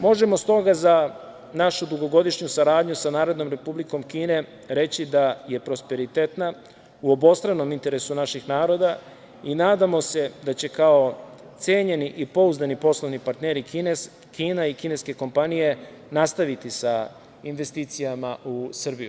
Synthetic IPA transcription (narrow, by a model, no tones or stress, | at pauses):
mo̞ʒe̞mo̞st̪o̞ɡaza | naʃud̪uɡo̞ɡo̞d̪iʃɲusaɾaːd̪ɲusanaːɾo̞d̪no̞mɾe̞publiko̞mkiːne̞ | ɾe̞t͡ɕid̪aje̞pɾo̞spe̞ɾit̪et̪na | uo̞bo̞st̪ɾaʋno̞mint̪e̞ɾe̞sunaʃixnaːɾo̞d̪a | inaːd̪amo̞se̞d̪at͡ɕe̞kao̞ | t̪seːɲe̞niʔipo̞uzanipo̞slˠoʋnipaɾt̪neɾin | kiːnaikine̞ske̞ko̞mpanije̞ | nast̪aʋit̪isa | inʋe̞st̪iːt̪sijamaʔusr̩biju